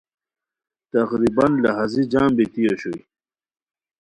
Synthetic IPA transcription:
t̪ɐqɾibɐnlɐɦazid͡ʑaːmbit̪ijoɕoj

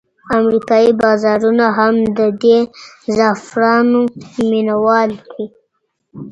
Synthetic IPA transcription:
amɾikɑibɑzɑɾunaɦamd̪əd̪ezɑfɾɑnominawɑld̪i

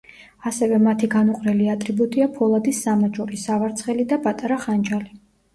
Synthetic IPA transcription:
asɛvɛmat̪ʰiɡanuqʼɾɛliat̪ʼɾibut̪ʼiapʰɔlˠad̪isːamad͡ʒʼɔɾisavaɾt̪sʰχɛlid̪apʼat̪ʼaɾaχand͡ʒali

